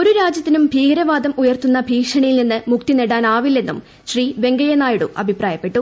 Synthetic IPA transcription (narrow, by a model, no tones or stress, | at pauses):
o̞ɾuɾaːd͡ʑjɐt̪ːinumbʱiːɡɐɾɐʋaːd̪ɐmujɐrt̪unːɐbʱiːkʂɐɳɐjilninːɨmuk̚t̪ineɽaːnaːʋilːe̞nːum | ɕriːʋe̞ŋɡɐjɐnaːjuɽṵʔɐ̰bʱipraːjɐpːe̞ʈːu